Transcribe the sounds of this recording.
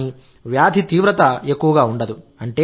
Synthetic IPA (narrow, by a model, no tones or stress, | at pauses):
i | ʋjaːd̪ʱit̪iːʋɾɐt̪ɐeːkːuʋɐɡaːuɳɖɐd̪uɐɳʈeː